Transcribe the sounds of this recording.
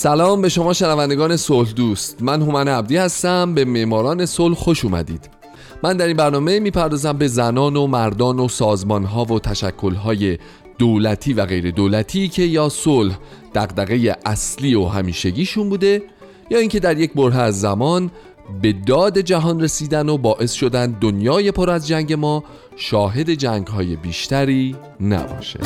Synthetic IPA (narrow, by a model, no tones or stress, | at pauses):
sælɒːmbe̞ʃo̞mɒːʃenævænd̪eɡɒːne̞solhɦd̪uːst̪mænɦomæneæb̚d̪iːhæst̪æmbe̞me̞ʔmɒːɾɒːne̞solhxo̞ʃuːmæ̰d̪ḭːd̪̥ | mænd̪æɾinbæɾnɒːme̞miːpʰæɾd̪ɒːzæmbe̞zænɒːno̞mæɾd̪ɒːno̞sɒːzmɒnɦɒːvo̞t̪ʰæʃækʰːo̞lɦɒːje̞ | d̪̥olæt̪ʰiːvæɣe̞jɾe̞d̪olæt̪ʰiːcʰe̞jɒːsolh | d̪̥æɣd̪æɣe̞jeʔæsliːo̞ɦæmiːʃe̞ɟiːʃunbuːd̪e̞ | jɒːiŋcʰe̞d̪æɾje̞cʰbo̞ɾɦeæzːæmɒːn | be̞d̪ɒːd̪e̞d͡ʒæɦɒːnre̞siːd̪æno̞bɒːʔe̞sʃo̞d̪ænd̪onjɒːje̞pʰo̞ɾæzd͡ʒæŋɟe̞mɒː | ʃɒːɦe̞d̪e̞d͡ʒæŋɡɦɒːje̞biːʃt̪æɾiː | næ̰bɒ̰ːʃḛd̥̪